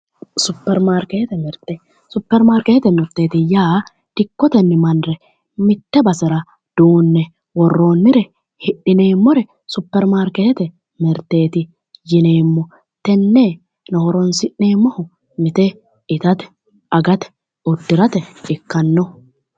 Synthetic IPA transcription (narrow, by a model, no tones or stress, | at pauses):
sʊpːɛɾmaːɾkeht̪ɛmɛɾt̪ɛ | sʊpːɛɾmaːɾkɛhɛt̪ɛmɛɾt̪ːe̞ːt̪ɪjaː | d̪̥ɪkːɔt̪ɛnːɪmɐnɾɛ | mɪt̪ːɛbɐsɪɾɐ | d̪̥uːnːɛ | wɔrːo̞ːnːɪɾɛ | hɪɗɪne̞ːmːɔɾɛ | sʊpːɛɾmaːɾkɛhɛt̪ɛ | mɛɾt̪ːe̞ːt̪ɪ | jɪne̞ːmːɔ | t̪ɛnːeː | nɔhɔɾɔnsɪʔːeːmːɔhʊ | mɪt̪ɛ | ɪt̪ɐt̪ɛ̥ | ʔɐɡɐt̪ɛ̥ | ʊd̪ːɪɾɐt̪ɛɪkːɐnːɔ